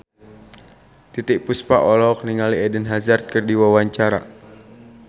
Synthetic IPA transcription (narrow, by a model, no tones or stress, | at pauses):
t̪it̪iʔpuspaʔɔlɔk̚niŋaliɛdənɦazart̪̚kərdiwawaɲt͡ʃaɾa̰